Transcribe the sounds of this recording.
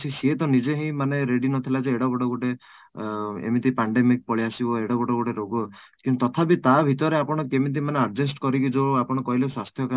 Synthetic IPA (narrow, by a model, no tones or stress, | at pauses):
t͡ʃʰiset̪ɔnid͡ʒeɦĩĩmaneɾeɽinɔt̪ʰilad͡ʒeeɽɔɡɔʈɔɡoʈe | ḛmit̪ipaɳɖemik̚pɔɭiasibɔeɽɔɡɔʈɔɡoʈeɾoɡɔ | kĩt̪ɔt̪ʰapit̪abʱit̪ɔɾeapɔɽ̃ɔkemit̪̬imaneaɾd͡ʒesʈkɔɾikid͡ʒoapɔɽ̃ɔkɔɦileswast̪ʰjɔka